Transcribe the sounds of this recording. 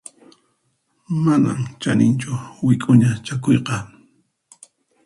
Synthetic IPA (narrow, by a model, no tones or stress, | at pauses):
mana̰mt͡ʃanʔɪnt͡ʃʊwɪkʼʊɲat͡ʃakojqɑ